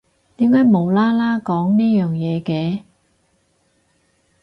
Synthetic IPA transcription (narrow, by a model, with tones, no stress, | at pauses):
t̪iː˨˥mkaː˨˥jmo˨˧wlaː˥laː˥kɔː˨˥ŋniː˥jœː˨˩ŋjɛː˨˧kɛː˧